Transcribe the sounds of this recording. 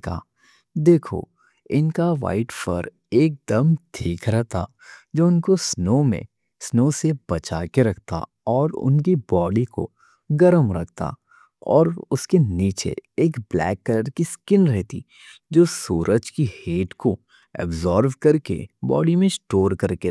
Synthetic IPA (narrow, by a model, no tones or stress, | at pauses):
ka̰ | d̪eːkʰo̰ | ɪnkaʋa̰ːɪʈfə̰ɾ | eːk̚d̪əmt̪ʰiːkɾɛɦt̪ʰa | d͡ʒoːʊnkosnoːmḛ̃ | snoːsebɐt͡ʃaːkeɾɐk̚ʰt̪a̰ | ɔːɾʊ̰nkibɔːɖiko̰ | ɡɐɾəmɾɐ̰k̚ʰt̪a̰ | ɔːɾʊskeniːt͡ʃḛeːkblɛ̰ːkːələɖkiskɪnɾɛɦt̪ḭ | d͡ʒoːsuːɾʔəd͡ʒkiheːʈko | ɛ̰bzɔːɾʋkɐɾkḛbɔ̰ːɖimẽsʈoːɾkɐɾke